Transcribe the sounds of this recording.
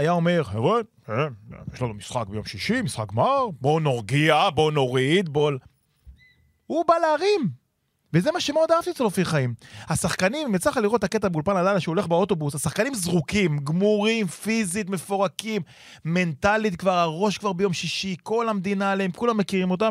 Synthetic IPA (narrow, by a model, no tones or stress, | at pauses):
ajao̞me̞ʁheʁe | ḛjeʃlanumisχak̚bejomʃiʃimisχak̚ɡmaʁbo̞noʁɡiabo̞noʁid̪̚bol | hubalaːʁim | vezemaʃemeod̪aaft̪it͡selofiχaimhasaχkanimmet͡slaχaliʁo̞t̪aket̪̬abeulpanadalaʃeole̞χbeot̪o̞busasaχkanimzʁukimɡmuʁimfizit̪mefo̞ʁakimː | e̞ntalit̪kvaʁaʁo̞ʃkvaʁbejo̞mʃiʃiko̞lamd̪inaːleemkulamːekiʁimo̞t̪̬am